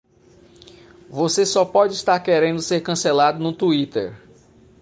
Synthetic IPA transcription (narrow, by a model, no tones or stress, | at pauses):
vosesɔpɔd͡ʒɪist̪aɾkɛɾẽnd̪ʊseɾkɐ̃selad̪ʊnʊt̪uit̪ḛɾ